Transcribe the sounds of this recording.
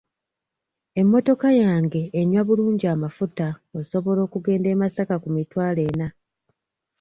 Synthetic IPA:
e̞mːo̞to̞kajaːŋɡe̞ːɲːwaβuluːɲɟiamafutaoso̞βo̞lo̞ːkuɡe̞ːnde̞ːmasakakumitwaːle̞ːna

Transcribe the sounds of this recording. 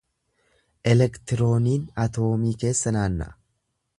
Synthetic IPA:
ʔɛlɛkt̪ɪɾo̞ːniːnɐt̪o̞ːmiːke̞ːsːɐnaːnːɐ̰ʔ

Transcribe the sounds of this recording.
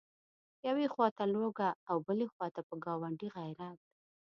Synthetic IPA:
jawexwɑt̪aloɡaːwbəlexwɑt̪apəɡɑwaɳɖiɣajɾat̪̚d̪̚

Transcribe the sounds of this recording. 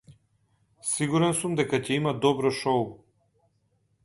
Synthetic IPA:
siɡuɾɛnsumd̪ɛkacɛimad̪ɔbɾɔʃɔu

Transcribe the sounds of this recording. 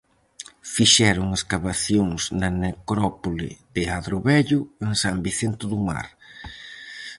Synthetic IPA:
fiʃɛɾʊŋeskaβaθjoŋsnɐnekɾɔpolɪ̰ð̥ɪaðɾʊβɛʎʊeŋsambiθent̪ʊðuma̰ɾ

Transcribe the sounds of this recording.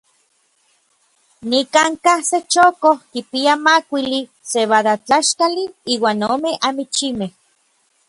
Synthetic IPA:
nikaŋkahset͡ʃokohkipiamakʷili | seβaðat͡ɬaʃkaliiːwaːnoːmeʔamit͡ʃimeh

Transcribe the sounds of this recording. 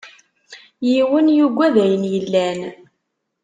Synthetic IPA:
jiwənjuɡʷːæðæjənjəlːæn

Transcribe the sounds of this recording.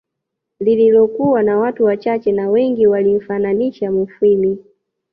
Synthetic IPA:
lililɔkuwanawatuwat͡ʃat͡ʃɛnawɛŋɡiwalim̩fananiʃamufwili

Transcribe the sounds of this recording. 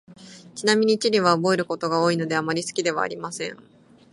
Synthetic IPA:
t͡ɕinamʲiɲ̟it͡ɕiɾʲiβaobo̞e̞ɾɯ̟kot̪o̞ɡao̞ːino̞d̪e̞amaɾʲisɨ̥kʲid̪e̞βa̰ːɾʲimasẽ̞ɴ

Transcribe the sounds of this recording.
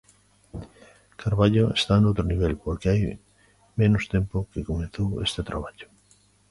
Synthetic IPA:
kaɾβaʎoest̪anowt̪ɾoniβ̞elpoɾkeaj | mẽnʊst̪empokekomeθowḛst̪et̪ɾʔaβ̞aʎo̥

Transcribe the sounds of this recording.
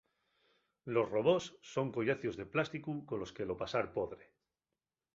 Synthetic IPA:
lo̞sro̞βo̞sːo̞ŋkoʝaθjozðe̞plast̪ikukolo̞ske̞lo̞pasaɾpoðɾe

